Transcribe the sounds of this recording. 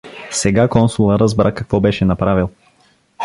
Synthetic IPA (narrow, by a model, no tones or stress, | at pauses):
sɛɡakɔnsulˠəɾəzbɾakɐkvɔbɛʃɛnɐpɾavilˠ